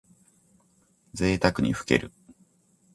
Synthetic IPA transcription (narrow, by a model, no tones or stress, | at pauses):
d͡ze̞ːt̪akɯ̟ɲ̟iɸɯ̟̥ke̞̰ɾɯ̟